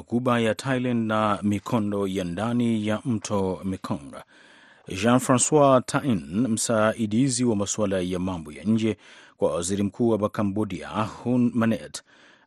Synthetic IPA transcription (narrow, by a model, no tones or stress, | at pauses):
kuɓajatʰajlãndnamikʰɔndɔjandanijam̩tʰɔmikʰɔ̃ŋɡa̰ | ʒãnfɾãnswatʰainm̩saiɗiziwamaswalajamambɔja̰ɲ̩d͡ʒɛkwawaziɾim̩kʰuːwaɓakambɔdia̰hunmanɛt